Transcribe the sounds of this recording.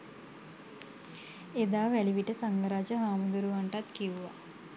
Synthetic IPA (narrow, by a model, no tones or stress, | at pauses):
ed̪aːʋæliʋiʈəsaŋɡəɾaːd͡ʒəɦaːmud̪uɾuʋaɳʈat̪kiʋuʋa̰